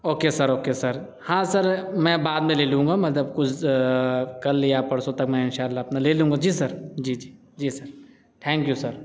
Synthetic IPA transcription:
oːkesɐɾoːkesɐɾ | hãːsɐɾmɛ̃ːbaːd̪mẽleːlũːŋ̆ɡamɐt̪lɐbkʊt͡ʃʰ | kɐlːijapɐɽsot̪ɐkmɛ̃ɪnʃaːlːaɐpnaleːlũːŋɡad͡ʒiːsɐɾd͡ʒiːd͡ʒiː | d͡ʒiːsɐɾ | t̪ʰɛ̃ːŋkjusɐɾ

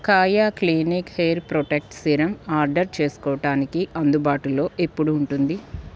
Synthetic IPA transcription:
kaːjaːkliːnikhejɾpɾoʈek̚ʈsiɾɐmaːɾɖɐɾt͡ʃe̞ːsu̥kɔːɐʈaːnikiʔɐnd̪ubaːʈulo̞ːʔe̞pːuɽuːɳʈund̪i

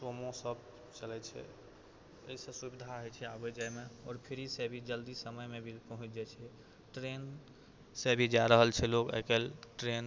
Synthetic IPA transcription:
somõsəb̚ | t͡ʃəlɛt͡ʃʰɛ̰ | əisẽsubid̪ʱaɦot͡ʃʰɛabed͡ʒajmeɔːɾpʰiɾisebʱid͡ʒəld̪isəməjmebʱipəɦũt͡ʃʰd͡ʒat͡ʃʰɛ | ʈɾen | sebʱid͡ʒaɾəɦəlt͡ʃʰɛlokḛkelʈɾen

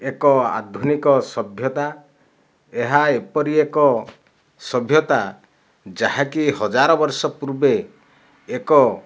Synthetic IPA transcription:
ekɔa̰d̪ʱunikɔsɔbʱjɔt̪a | eɦaepɔɾiekɔ | sɔbʱjɔt̪a | d͡ʒaɦakihɔd͡ʒaɾɔbɔɾsɔpuɾbe | ekɔ

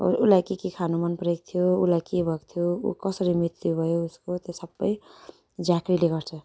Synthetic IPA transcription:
ṵlajkikikʰanomʌnpɾek̚t̪ʰijoulajkibʱʌkt̪ʰijoṵkʌsʌɾimit̪ːjubʱʌjouskot̪esʌbːʌj | d͡zakɾileɡʌɾt͡sʰʌ

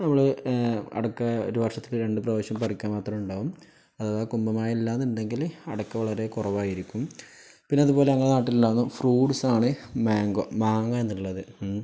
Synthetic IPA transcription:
nɐmːɐɭɨɐ̰ɽɐkːɐo̰ɾuʋɐrʂɐt̪ːilɨɾe̞ɳɖɨprɐʋoːɕjɐmpɐrikʲːaːnmaːt̪rɐmuɳɖaːʋum | ɐððɐkumbɐmaːjɐilːaːnːunde̞ŋɡilɐ̰ɽɐkːɐʋɐɭɐɾe̞kurɐʋaːjiɾikʲːum | pinːeɐðupo̞ːleɐŋːɐɭnaːʈːilːaːnːufruːɖsaːɳɨmaːŋɡo̰maːŋɐenːiɭːɐðɨ

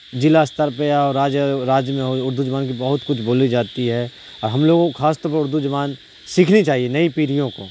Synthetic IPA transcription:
d͡ʒɪlast̪əɾpeɔːɾːaːd͡ʒjəɾaːd͡ʒjəmẽɦoʊɾd̪ʱud͡ʒɐʋaːnkibɐɦʊt̪kʊt͡ʃʰboːlid͡ʒaːt̪iɦɛ | ɔːɾɦɐmloːɡõkʰaːst̪ɔːɾpəɾʊɾd̪ʱud͡ʒɐʋaːn | siːkʰnit͡ʃaːɦienɐipiːɾijõko̰ː

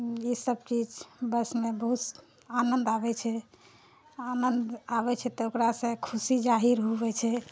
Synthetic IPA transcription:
isəb̚t͡ʃid͡ʒbəsmebəɦut̪ | anənd̪abɛt͡ʃʰɛ | anənd̪aβɛt͡ʃʰɛt̪ɔokɾasə̃kʰusid͡ʒaɦiɾɦoβɛt͡ʃʰɛ

